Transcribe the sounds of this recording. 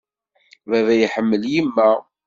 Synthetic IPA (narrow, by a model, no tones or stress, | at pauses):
væðæjəħəmːəljimːæ